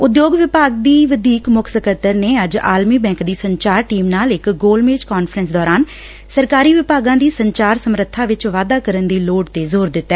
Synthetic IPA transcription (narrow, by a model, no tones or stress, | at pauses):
ʊd̪joːɡʋɪpaːɡd̪iːʋəd̪iːkmʊkʰsəkət̪ːəɾneːəd͡ʒa̰ːlmiːbɛ̃ːŋkd̪iːsəɲt͡ʃaːɾʈiːmnaːlɪkɡoːlmeːd͡ʒkɔːnpʰɾənsd̪ɔːɾaːn | səɾkaːɾiːʋɪpaːɡãːd̪iːsəɲt͡ʃaːɾsəmɾət̪ʰːãːʋɪt͡ʃʋaːd̪aːkəɾənd̪iːloːɖt̪eːzoːɾd̪ɪt̪ːɛː